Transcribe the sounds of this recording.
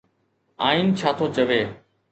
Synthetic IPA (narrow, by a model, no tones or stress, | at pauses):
aːiːnt͡ʃʰaːt̪ʰoːt͡ʃəʋeː